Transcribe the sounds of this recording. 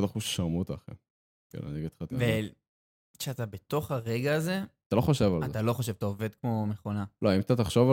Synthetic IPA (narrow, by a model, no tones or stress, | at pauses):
daχuʃʃaʁmut̪aχḛm | kḛla̰niɡet̪χat̪ave | ʃeat̪abet̪o̞χaʁeɡaːze̞at̪alo̞χoʃevalat̪alo̞χoʃevat̪aove̞d̪kmo̞meχo̞naloimt̪at̪aχʃova